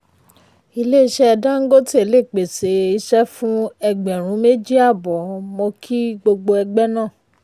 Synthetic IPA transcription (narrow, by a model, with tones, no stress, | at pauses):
i˧le˦i˦˧ʃɛ˦˧da˦ŋ̩˦ɡo˦ti˦e˨le˦˨k͡pe˨se˨˦i˧˦ʃɛ˦fũ˦ɛ˧ɡ͡bɛ˨ɾ̃ũ˨˦me˦d͡ʒi˦a˦˨bɔ˨mɔ̃˧kʰi˦ɡ͡bo˧ɡ͡bo˧ɛ˧ɡ͡bɛ˦nã˦˨